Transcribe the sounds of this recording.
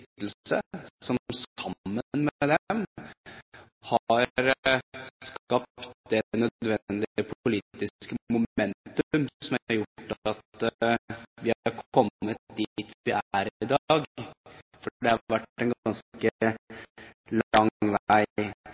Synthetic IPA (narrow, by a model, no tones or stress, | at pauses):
t̪l̩sə̰sɔmsɑːənmɛd̪ɛm | hɑɾsskkɑpt̪̚d̪ɛnœdd̪ʋɛd̪ɪəpʰʊliːt̪ɪskəmʊɛnt̪ʉmsɔmɑɾjʊʈːɑt̪ | ʋɪhɾkʰɔmːət̪̚d̪iːt̪ʰʋɪʔæɾɪd̪ɑɡ | fɔd̪ɛhɑʋæʈːɛnɡɑnskə | lɑŋʋæɪ